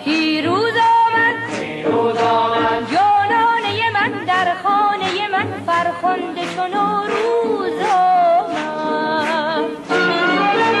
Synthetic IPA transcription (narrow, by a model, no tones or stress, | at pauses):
pʰiːɾuːzɒːmæd̪ | d͡ʒɒːnɒːne̞jemænd̪æɾχɔːne̞jemænfæɾxond̪et͡ʃʰonoːɾuzɔm